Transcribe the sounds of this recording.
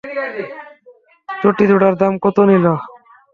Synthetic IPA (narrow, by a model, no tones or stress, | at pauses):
t͡ɕoʈid̪ʱuɽaɾd̪amkot̪onila